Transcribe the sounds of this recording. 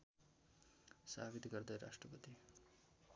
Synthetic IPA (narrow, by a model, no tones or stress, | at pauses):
sa̰ːʋid̪ɡɐɾd̪ɐjɾa̰ːʂʈɾɐpɐt̪i